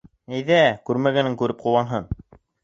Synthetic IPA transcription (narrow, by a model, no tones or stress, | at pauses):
æjðækʉɾmæɡænɘŋkʉɾɘp̚qŭwɑnɦɤn